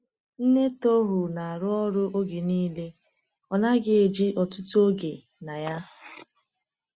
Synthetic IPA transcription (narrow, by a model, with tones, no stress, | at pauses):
n̩˦ne˦to˦ɦʊ˨na˨a˨ɾʊ˦ɔ˦ɾʊ˦ʔo˦ɡe˨niː˦le˦ | ɔ˨na˦ɡɪ˦e˨d͡ʒi˦ʔɔ˨tʊ˦tʊ˦o˦ɡe˨ | na˨ja˦